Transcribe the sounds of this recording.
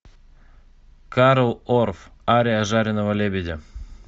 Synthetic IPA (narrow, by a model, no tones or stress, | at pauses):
kaɾlˠorfaɾʲɪaʐaɾʲɪnəvəlʲebʲedʲe